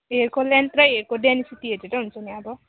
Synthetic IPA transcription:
ɦeɾkolent̪rʌjɦeɾkoɖenisit̪iɦeɾeɾʌɦunt͡sʰʌniʌbʌ

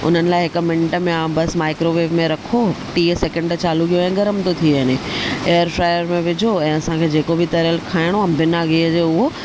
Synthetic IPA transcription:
ʊ̰n̤ənɪ̆laːɪɦɪk̆mɪ̃ɳʈəmẽãːbɐsmaːɪkɾoʋeːbmẽɾɐkʰoʈiːseːkɛ̃ɳɖt͡ɕaːluɡijoɛ̃ːɡɐɾəmt̪ot̪ʰiəneeːəɾfɾaːɪəɾmẽʋɪd͡ʑʱoɛ̃ːɐsãkʰeːd͡ʑeːkobʱɪt̪ɐɾəlkʰaːɪɽ̃oɐ̃bɪnaːɡiəd͡ʑeːʊɦo

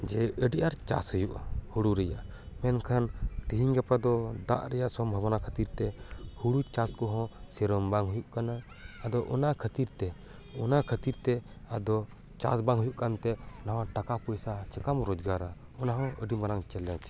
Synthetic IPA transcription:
d͡ʒɛəɖiʔaɾt͡ʃa̰shujuʔahuɽuɾɛjaʔ | mɛnkʰant̪iɦiɲɡapad̪ɔd̪a̰ʔɾɛjaʔsɔmbʱabanakʰət̪iɾt̪ɛhuɽut͡ʃaskɔɦɔ̃sɛɾɔmbaŋɦujuʔkanaː | d̪ɔʔɔnakʰət̪iɾt̪ɛ | ɔnakʰət̪iɾt̪ɛ | ad̪ɔ | t͡ʃa̰sbaŋɦujuʔkant̪ɛɔnaɦãʈakapujsat͡ʃəkamɾɔd͡ʒɡaɾa | ɔnaɦɔ̃əɖimaɾaŋt͡ʃɛlɛt͡ʃ

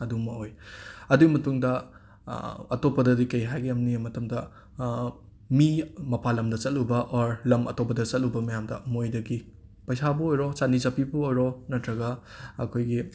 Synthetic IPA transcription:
ɐdumɐojɐduimɐtuŋdɐ | ɐtopːɐdɐdikɐjɦajɡiɐmnimɐtɐmdɐ | mimɐpalɐmdɐt͡ʃɐt̚ubɐʔoɾlɐmɐ̰topɐdɐt͡ʃɐt̚lubɐmɐjamdɐmojdɐɡi | pɐjsabɐojɾot͡ʃanizapibuojɾonɐtɾɐɡɐɐkʰojɡi

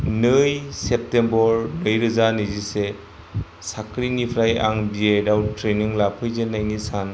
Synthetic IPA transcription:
nɯjsep̚tembɔɾlɯjɾɯzanizise | sakʰɾinipʰɾaja̰ŋbiedawtɾeniŋlapʰɯjzenajnisan

